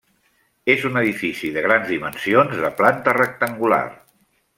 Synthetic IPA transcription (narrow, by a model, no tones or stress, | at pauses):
ezunəðifisiðəɣ̞ɾanzðimənsionzðəplant̪ərək̚t̪əŋɡula̰r